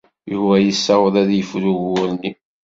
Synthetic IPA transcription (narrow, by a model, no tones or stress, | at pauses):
juwæjəsːɑwəðˤæðjəfɾuʝʊɾnːi